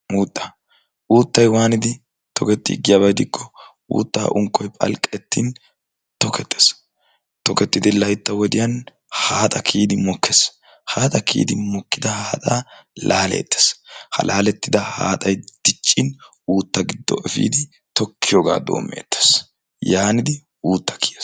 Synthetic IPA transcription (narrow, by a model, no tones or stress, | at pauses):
uːt̪ʼːɐ̥ | uːt̪ːɐjwaːnɪd̪ɪ | t̪ɔkɛt̪ːɪɡɪjabɐjd̪ɪkʰːɔ | ṵːt̪ːa̰ːʔʊŋkːɔjpʼɐ̰lkʼɛt̪ːiːn | t̪ɔkɛt̪ːes | t̪ɔkɛt̪ːɪd̪ɪlɐjt̪ːɐwɔd̪ɪjɐn | haːt̪ʼɐkʰiːd̪ɪmɔkːes | haːt̪ʼɐkʰḭːd̪ɪmɔkːɪd̪ɐhaːt̪ʼaːlaːlḛːt̪ːe̥shɐ̰lʔaːlɛt̪ːɪd̪ɐha̰ːt̪ʼɐjd̪̥ɪt͡ʃʼːɪn | uːt̪ːɐɡɪd̪ːɔ̰ʔɛfḭːd̪ɪ | t̪ɔkːɪjoːɡa̰ːd̪o̰ːmːḛːt̪ːe̥s | jaːnɪd̪ɪ | uːt̪ːɐ̥kʰi